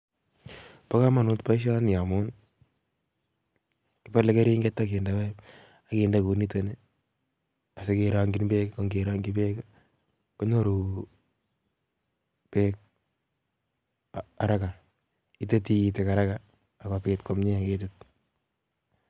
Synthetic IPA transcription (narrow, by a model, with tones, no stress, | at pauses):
pa˦ka˦ma˨nu˦tpa˦ɪ˦ʃ̬a˦nja˨mʊ˦n | kɪ˦pa˦le˦ke˦ɾiː˦ŋɡe˦tːa˦ke˨ndawɛ˦ | a˦kiː˨nda˦ku˨ni˦te˨ni | a˨seke˨ɾa˨ŋɡi˦nbe˦ka˦ko˦ŋɡeɾa˦ŋɡi˦be˦ka | kɔ˦ɲo˦ɾu˨ | pe˦k̚ | a˨ɾa˦ka˨ | i˦te˦ti˦i˦te˨ka˨ɾa˦kaː˨ | ka˨pe˨tkɔ˨mɲe˦a˨ke˦tɪt̚